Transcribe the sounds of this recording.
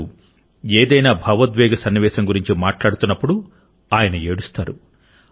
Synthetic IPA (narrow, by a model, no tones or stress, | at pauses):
u | eːd̪ɐjnaːbʱɐʋɐd̪ʋɛːɡɐsɐnːiʋɛːʃɐŋɡuɾiɲt͡ʃimaːʈlaːɽut̪unːɐpːuɽu | aːjɐnɐeːɽust̪aːɾu